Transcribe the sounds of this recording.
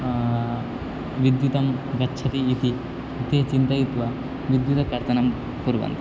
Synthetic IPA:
ʋid̪jut̪ɐmɡɐtːʃʰɐt̪iːt̪i | it̪it͡ʃint̪ɐjut̪ʋɐ | ʋid̪jut̪ɐkɐɾt̪ɐnɐm | puɾʋɐ̰nt̪

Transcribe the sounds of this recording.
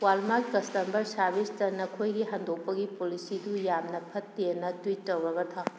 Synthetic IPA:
walmakɐstɐmbɐɾsabistɐnɐkʰojɡiɦandok̚pɐɡipolisidujamnɐpʰɐtːenɐtwitːɐwɾɐɡɐt̪ʰaw

